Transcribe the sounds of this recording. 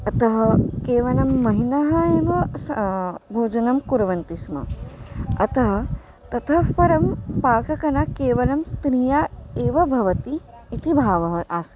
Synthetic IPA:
ɐt̪ɐɦɐkeːʋɐlɐmːɐɦinɐɦɐeːʋɐsbʱoːd͡ʒɐnɐmkuɾʋɐnt̪ismɐ̰ | ɐt̪ɐɦɐ̆ | t̪ɐt̪ʰɐpɐɾɐmpaːkɐkɐnɐkeːʋɐlɐmst̪ɾijaeːʋɐbʱɐʋɐt̪iː | t̪ʰibʱaːʋɐɦɐʔaːsɐ

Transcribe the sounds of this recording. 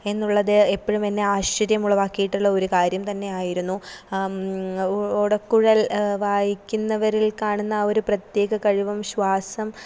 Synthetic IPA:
e̞nːuɭːɐðɨepːoɻumenːe̞aːɕɐɾjɐmuɭːɐʋaːkːijiʈːuɭːɐo̞ɾukaːɾjɐmt̪ɐnːe̞aːjiɾunːu | oɽɐkːuɻɐlʋaːjikʲːunːɐʋɐɾilkaːɳunːɐo̞ɾuprɐt̪je̞ːɣɐkɐɻiʋɐmɕʋaːsɐm

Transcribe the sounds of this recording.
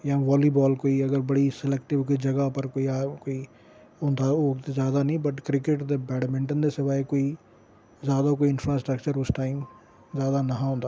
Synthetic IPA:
jãːʋaːlibɔːlkoːiɐɡəɾbɐɽisɪlɛk̚ʈɪbkid͡ʒɐɡapɐɾkoːiaːkoːi | ɦõːnd̪aoːt̪ezjaːd̪anĩbɐʈkɾɪkeʈd̪ebɛːɽmɪ̃ɳʈənd̪esɪʋaːekoːi | zjaːd̪akoːiɪ̃nfɾaːsʈɾəkt͡ʃəɾʊsʈaːɪm | zjaːd̪anɐɦãɦõːnd̪a

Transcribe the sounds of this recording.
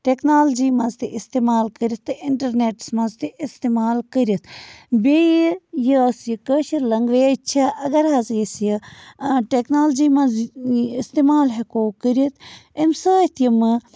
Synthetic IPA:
ʈeknaːld͡ʒiːmɐ̃nzt̪iʔist̪eːmaːlkəɾʲit̪ːɨɪɳʈɐɾneːʈsmɐnzt̪iist̪emaːlkəɾiit̪ʰbʲejəsjikəʃiɾlɐŋɡʋeːt͡ʃʰaʔɐɡɐɾaːzjisjə | ʈeknaːld͡ʒiːmɐ̃zist̪eːmaːlɦekoːkəɾiit̪ʰinsəːt̪ʰijimɨ

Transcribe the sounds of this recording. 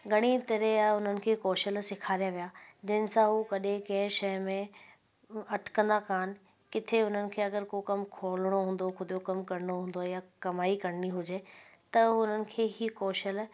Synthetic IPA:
ɡɐɽ̃it̪ɐɾeaʊn̤ənɪ̆kʰeːkoːʃəlsɪkʰaːɾijaʋijad͡ʑɐɦɪ̃nɪsãɦukɐɗẽkɐ̃ɦɪ̃ʃɐjmẽ | ɐʈʰkə̃nd̪akaːnɪ̆ | kɪt̪ʰeʊn̤ənɪ̆kʰeːɐɡəɾkokɐmkʰoːlɽ̃oɦũːnd̪oxʊd̪jokɐmkɐɾɪɽ̃oɦũːn̆d̪ojakɐmaːikɐɽniɦʊd͡ʑet̪ɐʊn̤ənɪ̆kʰeːikɔːʃəl

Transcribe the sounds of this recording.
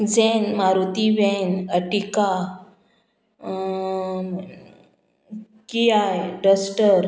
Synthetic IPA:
d͡zɛnmaɾut̪iʋɛnəʈika | kijajɖəsʈəɾ

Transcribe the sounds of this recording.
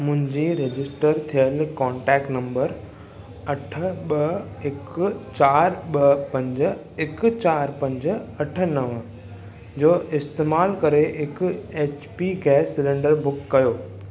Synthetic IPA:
mʊ̃ɦɪ̃ɲd͡ʑiɾed͡ʑɪsʈəɾt̪ʰijəlkɔ̃ːɳʈɛːkʈnɐ̃mbəɾ | ɐʈʰə̆ɓɐ | ɪkt͡ɕaːɾɓɐpɐ̃ɲd͡ʑ | ɪkt͡ɕaːɾpɐ̃ɲd͡ʑɐʈʰə̆nɐʋ | d͡ʑoːʔɪst̪eːmaːlkɐɾeɪkeːt͡ɕpiɡɛːsːɪlẽɳɖəɾbʊkːɐjoː

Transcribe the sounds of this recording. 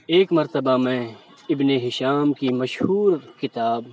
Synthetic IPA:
eːkmɐɾt̪əbamɛ̃ | ɪbneɦɪʃaːmkimɐʃhuːɾkɪt̪aːb

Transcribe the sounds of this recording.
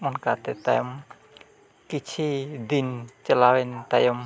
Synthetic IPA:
mɔnkat̪ɛt̪a̰jɔm | kit͡ʃʰid̪int͡ʃəlawɛnt̪ajɔm

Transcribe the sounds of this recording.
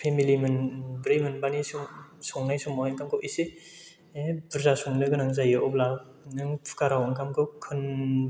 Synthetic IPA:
pʰemilimɯnbɾijmɯnbanisusɔŋnajsumawaŋkʰamkʰɯwʔise | epɯɾzasɔŋnɯɡɯnaŋzajɯʔɔp̚la | nɯŋpʰkaɾawɯŋkʰamkʰɯwkʰɯn

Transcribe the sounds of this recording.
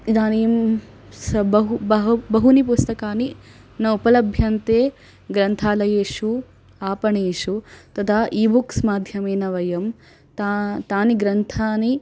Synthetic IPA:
d̪aːniːm | sɐbɐɦubɐɦbɐɦunipust̪ɐkaːni | nɐupɐlɐbʱjɐnt̪eː | ɡɾɐnt̪ʰaːlɐjeːʂu | aːpɐɳeːʂut̪ɐt̪ʰaʔiːbʱuksmaːd̪ʱjɐmeːnɐʋɐjɐm | t̪at̪aːniɡɾɐnt̪ʰaːni

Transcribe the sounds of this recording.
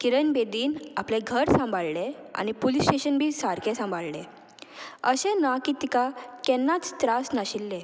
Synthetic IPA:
kiɾənbed̪iːnaplẽɡʱəɾsãmbʱaɭlɛa̰nipolisʈeɕənbʱiːsaɾkʰɛ̃sãmbʱaɭlɛ | əɕɛ̃nakit̪ikakɛnːat͡st̪ɾasnaɕilːɛ̃

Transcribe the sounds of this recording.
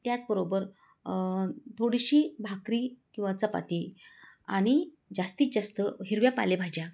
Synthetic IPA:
t̪jat͡sbəɾobəɾ | t̪ʰoɽiɕiːbʱakɾiːkĩw̃ʋat͡səpa̰t̪iː | aɽ̃i | d͡zast̪iːt͡sd͡zast̪əɦiɾʋjapa̰lebʱad͡ʑja

